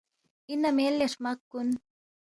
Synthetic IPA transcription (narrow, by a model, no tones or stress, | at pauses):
inːamielːaʂmakːun